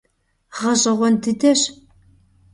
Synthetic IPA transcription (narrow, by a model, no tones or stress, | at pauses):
ʁɐɕʼɐʁʷɔndɨdɐɕ